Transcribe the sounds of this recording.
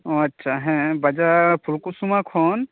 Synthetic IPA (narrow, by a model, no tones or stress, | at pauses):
ɔɐtːʃʰaɦɛ̃bad͡ʒapʰuɾkusumakʰɔn